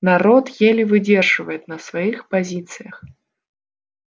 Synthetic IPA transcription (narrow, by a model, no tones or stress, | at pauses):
naɾɔt̪jelʲɪvɨdʲerʐɨvəjɪt̪nɐsvɐjixpɐzʲit̪sɨjəx